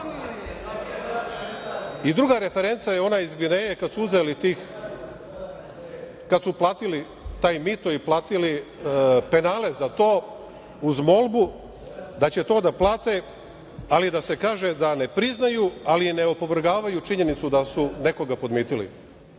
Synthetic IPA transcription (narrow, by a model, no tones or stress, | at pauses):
id̪ɾuɡaɾe̞fe̞ɾe̞nt̪sajeo̞naizɡinejekad̪suuzelit̪i | kad̪suplˠaːt̪ili | t̪aːjmit̪oiplˠaːt̪ili | pe̞naːle̞zat̪o̞ː | uzmo̞lˠbu | d̪at͡ɕe̞t̪o̞ːd̪aplˠaːt̪e | alid̪ase̞kaːʒed̪ane̞pɾiznajualineopo̞ʋr̩ɡaːʋajut͡ʃiɲe̞nit̪sud̪asune̞ko̞ɡapo̞d̪miːt̪ilḭ